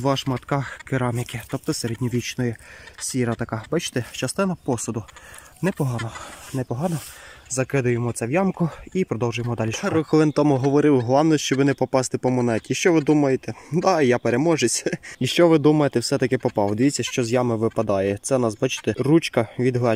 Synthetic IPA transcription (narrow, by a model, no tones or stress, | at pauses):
ʋɑʃmɐt̪kɑxkeɾɑmʲikʲɪt̪ɔp̚t̪ɔseɾedʲnʲɔʋʲit͡ʃnɔjisʲiɾɐt̪ɐkɑbɑt͡ʃɪ̥t̪ɛt͡ʃɐst̪ɪnɐpɔsʊd̪ʊ | nɛpɔɦɑnɔnɛpɔɦɑnɔzɐkɪd̪ʊjemɔt̪sʲɛʋjɑmkʊipɾɔd̪ɔwʒʊjemɔd̪ɑlʲiʃʊxɔʋˠɪnt̪ɔmʊɦɔʋɔɾɪwɦlˠɑwnɔʃt͡ʃɔbʋɪnɛpɔpɑst̪ɪpɔmɔnɛtʲiʃt͡ʃɔʋɪd̪umɐjet̪ɛd̪ɑjapeɾemɔʒesʲiʃt͡ʃɔʋɪd̪umɐjet̪ɛwsɛt̪ɐkɪpɔpɑwd̪ʲeʋʲit͡sʲːɐʃt͡ʃɔzʲjɑmɪʋɪpɐd̪ɑjɛt̪sɛnɑsbɑt͡ʃɪ̥t̪ɛrut͡ʃkɐʋʲid̪ɦˠɑ